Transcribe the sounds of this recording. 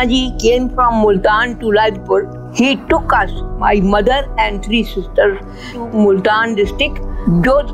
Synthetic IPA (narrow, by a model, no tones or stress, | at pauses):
ad͡ʒikẽːmfɾɔ̃mːʊlt̪ãːnʈulaɪdpəɾɖ | hiːʈʊkʌsma̰ɪmʌd̪əɾɛ̃ɳɖt̪ʰɾisɪsʈəɾ | mʊlʈ̪ãːnɖɪsʈɾɪk̚ʈd͡ʒoː